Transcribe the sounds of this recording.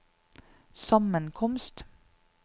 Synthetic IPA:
sɑmənkʰɔmst̪

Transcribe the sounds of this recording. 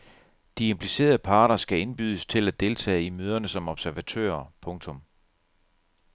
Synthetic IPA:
d̥ie̝mpʰlise̝̰ːɐðˠəpʰɑ̈ːɾ̥ɐsɡ̥æe̝nb̥yð̞ˠəst͡sʰe̝læd̥e̝lt͡sʰɛ̰ːimøːð̞ˠɐnəsɒ̽mɒ̽b̥sæɐʋæt͡sʰø̰ːɐpʰɔ̽ŋt͡sʰɔ̽m

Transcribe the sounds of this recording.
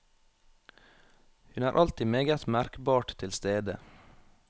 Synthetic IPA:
hʉnæːɾʔɑlt̪imeːɡət̪mæɾkbɑːʈt̪ʰɪlst̪eːd̪ə

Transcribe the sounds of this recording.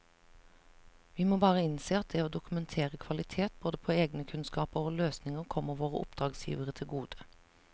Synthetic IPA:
ʋiːmoːbɑːʁəɪnseːɑt̪̚d̪ɛːoːd̪ʊkʉmɛnt̪ʰeːʁəkʰʋɑlɪt̪ʰeːt̪̚boːd̪əpʰoːeːɡnəkʰʉnskɑːpəʁoːløːsnɪŋəʁkʰɔmːəʁʋoːʁə̰ʔʊ̰p̚d̪ʁɑːɡsjḭːʋəʁət̪ʰɪlɡuːd̪̥ə̥

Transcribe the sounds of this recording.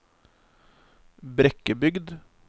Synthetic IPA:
bɾɛkəbʏɡd̪

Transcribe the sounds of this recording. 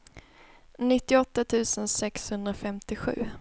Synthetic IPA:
nɪt̪ːɪɔt̪ːat̪ʰʉ̟ːsənsɛkshɵnd̪ɾafɛmt̪ɪɧʉ̟̰ː

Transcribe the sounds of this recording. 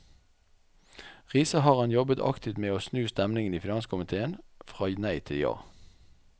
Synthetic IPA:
ʁiːsəhɑːʁhɑnjɔbət̪ʰɑ̰kt̪ɪt̪meːoːsnʉːst̪ɛmnɪŋəniːfɪnɑnskʰʊmɪt̪ʰeːənfʁɑːnæɪt̪ʰɪɑ̰ː

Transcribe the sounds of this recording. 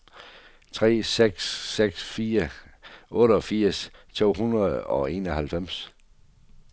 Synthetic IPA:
t͡sʰʁɛ̰ːseɡ̥sːeɡ̥sfiːɐʔɔ̽ːɾəɒ̽fiɐ̰st͡sʰo̝̰ːɦunɐð̩ˠɒ̽e̝̰ːnɒhælfem̰s

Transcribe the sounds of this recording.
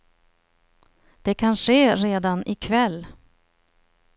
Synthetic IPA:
d̪̥ɛkʰanʂeːɾeːd̪anʔɪkʰvɛlː

